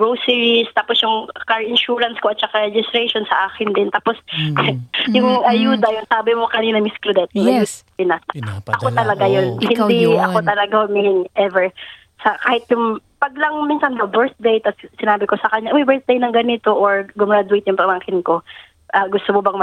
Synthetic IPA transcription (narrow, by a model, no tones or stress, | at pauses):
ɹowsiːɹist̪aposjʊŋkaɹɪnʃuːɹɐnskoʔɐt̪̚t͡ʃɐkaɹɛd͡ʒɪst̪ɾɛjʃonsɐʔaːkɪnd̪ɪnt̪aːpos | jʊŋʔɐjuːd̪ɐjʊŋsaːbɪmokɐniːnɐmɪsklʊd̪ɛt̪̚ɪjɐus | ɪnasʔɐko̞t̪ɐlɐɡajonhɪnd̪iʔɐko̞t̪ɐlɐɡahomiɪŋʔɛvɛɹ | sɐkaːhɪt̪̚jʊŋpɐɡ̚lɐŋmiːnsɐnd̪ɐwbɛɹθ̚d̪ejt̪ɐssɪnaːbɪko̞sɐkɐɲaʔmɐjbɛɹθ̚d̪ejnɐŋɡɐnɪt̪o̞ʔoɹɡʊmɹad̪ʊejt̪jʊŋpɐmaːŋkɪnko̞ | ʔɐɡʊst̪omobɐŋmɐ